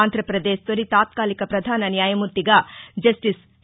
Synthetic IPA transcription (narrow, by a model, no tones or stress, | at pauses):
aːnd̪ʱɾɐpɾɐd̪eːʃt̪oɾit̪aːt̪kaːlikɐpɾɐd̪ʱaːnɐnjaːjɐmuɾt̪ːiɡɐd͡ʒɐsʈis